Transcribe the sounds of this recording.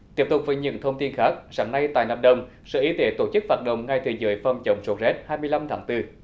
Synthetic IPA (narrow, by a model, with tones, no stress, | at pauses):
t̪i˦˥əp̚t̪ʊ˨˩k͡p̚vəː˨˦jɲɨ̰˧˨˦ŋt̪ʰə˧wŋ͡mt̪i˧nxaː˦˥k̚zaː˧˩˦ŋna˧jt̪a̰ː˧˨jnaː˨˩p̚ɗə˨˧˩wŋ͡m | sɛ̰˧˥ʔi˨˦t̪e˨˦t̪o˧˩t͡ɕɨ˦˥k̚faː˨˧˩t̚ɗə̰˧˨wŋ͡mŋa˧˩jt̪ʰɨː˨˩jzəː˨˦jfa˧˩wŋ͡mt͡ɕə˨˦wŋ͡mso˨˦˥t̚zɛ˦˥t̚haː˧jmɨ˧əjla˧mt̪ʰaː˨˦ŋt̪ɨ˧